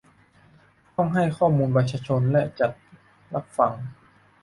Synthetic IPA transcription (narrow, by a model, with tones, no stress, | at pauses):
t̪ɔ˥˩ŋɦa˥˩jkʰɔː˥˩muː˧nbaː˧˩t̪̚t͡ɕʰaː˧˥t͡ɕʰo˧nlɛ˦˥t͡ɕa˨˩t̪̚ | la˦˥p̚fa˧ŋ